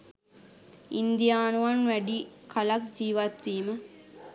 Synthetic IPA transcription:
ind̪ijaːnuʋɐnʋæɖikʰɐlɐkd͡ʒiːʋɐt̪ʋiːmə

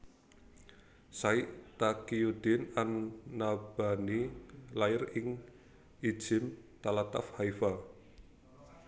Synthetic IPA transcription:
saiʔt̪akiud̪̥ɪnanːab̥anilaɪrɪŋ | i̥d͡ʒ̥ɪ̤mt̪alat̪afhaifa

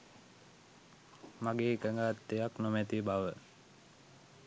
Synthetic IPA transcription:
maɡeːkəŋɡat̪ːejaknomæt̪ibaʋə

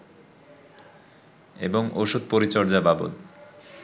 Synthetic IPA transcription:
ḛboŋoʃud̪̚poɾit͡ɕɔɾd͡ʑababo̰d̪

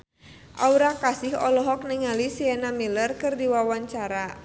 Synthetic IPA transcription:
ʔauɾakasɪhɔ̰lɔɦɔk̚niŋalisiɛnamilərkɨrdiwawaɲt͡ʃaɾa

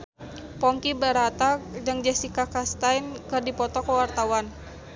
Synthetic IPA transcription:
pɔŋkibəɾat̪adəŋd͡ʒɛsikakast̪ainkɨrdipɔt̪ɔkəwart̪awan

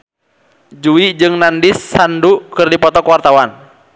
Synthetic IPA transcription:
d͡ʒuid͡ʒɨŋnandisːandukɨrdipɔt̪ɔkwart̪awan

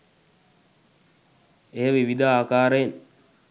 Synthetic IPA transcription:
eːʋiʋid̪aaːkaːɾen

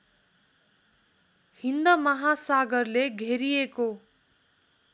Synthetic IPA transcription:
hind̪ʌmʌɦasaɡʌrleɡʱeɾijeko

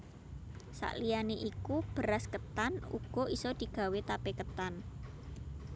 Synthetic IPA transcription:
sa̰ʔlianeʔikub̥əɾaskət̪anṵɡ̥ɔ̤ʔisɔd̪̥i̤ɡ̥a̤wet̪apekət̪an

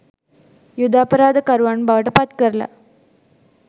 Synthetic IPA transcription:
jʊd̪aːpɐɾaːd̪ɐkɐɾʋaːɳbaʋɐʈːɐpaːt̪kɐɾla̰

